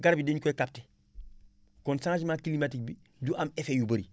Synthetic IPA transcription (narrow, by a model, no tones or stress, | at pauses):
ɡaɾbideɲkoekap̚te | konsãŋt͡ʃmakilimatik̚bi | duʔamefejubɐɾi